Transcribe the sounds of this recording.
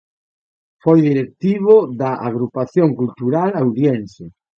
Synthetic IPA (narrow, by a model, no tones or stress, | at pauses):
fojðiɾek̚t̪iβoðaʔaɣɾupaθjoŋkult̪uɾalawðjense